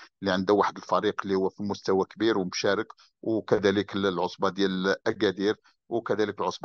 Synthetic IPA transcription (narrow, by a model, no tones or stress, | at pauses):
liʕənd̪əwaħəd̪əlfæɾiqəlːihʊwːæfimʊst̪æwækbiɾwmʃæɾək | wkæd̪æləkəllʕosˤbɑd̪jælʔæɡæd̪iɾ | wkæd̪æləkəlʕosˤbɑ